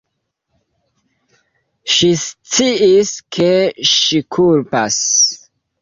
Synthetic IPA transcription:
ʃist͡siʔiskʰeʃikʰulpas

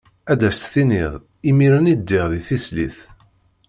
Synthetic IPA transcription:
æd̪æst̪θinɪðˤ | imiɾənid̪ːɪʁðiθislḭθ

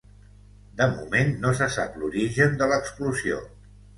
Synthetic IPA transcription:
d̪əmṵmenːosəsa̰pluɾiʒənd̪ələkspluzio̰

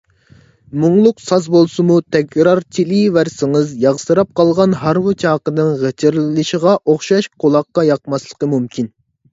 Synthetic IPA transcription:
mʊŋlˠʊqsɑsbolˠsɨmut̪ʰɛkʲɾɑɾt͡ʃʰilivæɾsɪŋɨzjɑʁsɨɾɑp̚qʰɑlˠʁɑnɦɑɾwɨt͡ʃʰɑːqənɨŋʁət͡ʃʰɪɾllɨʃiʁɑʔoχʃɑʃqʰolˠɑqːɑjɑq̚mɑslˠə̥qəmumkʲʰin

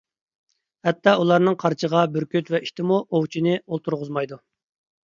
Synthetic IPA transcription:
hɛt̪ʰːɑulˠɑɾnɨŋqʰɑɾt͡ʃʰəʁɑbyɾkʲyt̪vɛʔiʃt̪ɪmuʔowt͡ʃʰinɪolˠt̪ʰuɾʁʊzmɑjd̪u

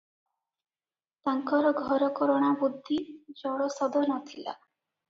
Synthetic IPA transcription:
t̪aŋkɔɾɔɡʱɔɾɔkɔɾɔɽ̃abud̪ʱːid͡ʒɔɽɔsɔd̪ɔnɔt̪ʰila̰

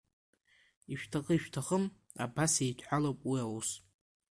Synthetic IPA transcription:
iʃᶣtʰaqʼəiʃᶣtʰaχəm | a̰basejtʷʰħalowpʼwiawus

